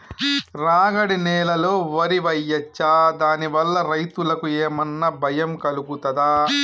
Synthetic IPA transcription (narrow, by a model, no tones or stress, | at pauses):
ɾaːɡɐɽinɛːlɐloːʋɐɾiʋɐjːɐt͡ʃːaːd̪aːniʋɐlːɐɾɐjt̪ulɐkueːmɐnːɐbʱɐjɐmkɐluɡut̪ɐd̪aː